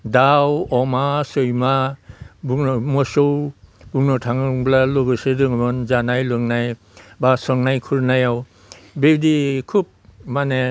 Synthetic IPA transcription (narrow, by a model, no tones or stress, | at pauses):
dawɔmasɯjmabuŋnmɔsowbuŋnɔtʰaŋŋblaloɡɯsedɯŋbɔnzanajlɯŋnaj | basɔŋnajkʰuɾnajaw | bedikʰup̚mane